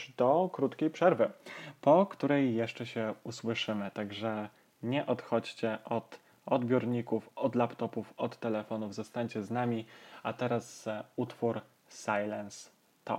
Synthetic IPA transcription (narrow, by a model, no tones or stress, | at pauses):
d̪ɔkɾut̪kʲejpʂɛɾvɘpɔkt̪uɾɛjːɛʂt͡ʂɛɕɛuswɘʂɘmɘt̪aɡʐɛ | ɲɛʔɔt̪xɔt͡ɕt͡ɕɛʔɔt̪ | ɔd̪bʲjɔɾɲikufɔd̪lapt̪ɔpufɔt̪ːɛlɛfɔnuvzɔst̪aɲt͡ɕɛznamʲiat̪ɛɾasut̪fuɾ | sajlɛns | t̪ɔ̰